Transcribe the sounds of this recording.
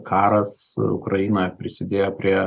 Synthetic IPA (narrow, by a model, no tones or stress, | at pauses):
kʰɑːɾɐs | ʊ̰kɾɐjiːnoːjɛpʲɾʲɪsʲɪd̪ʲeːjɛpʲɾʲiɛ